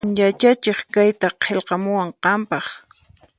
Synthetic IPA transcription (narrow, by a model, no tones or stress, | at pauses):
jat͡ʃat͡ʃeχkajt̪aqʰelqɑmʊwaɴqɑmpɑχ